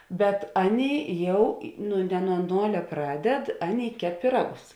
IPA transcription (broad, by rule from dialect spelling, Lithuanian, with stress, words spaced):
bʲɛt ˈɑːˌnʲeːɪ ˈjɛʊ ɪ ˈnʊ nʲɛ nuɔ ˈnoːlʲɛ ˈprɑːˌdʲɛt ˈɑːˌnʲeːɪ ˈkʲɛp pʲɪˈrɑːɡʊs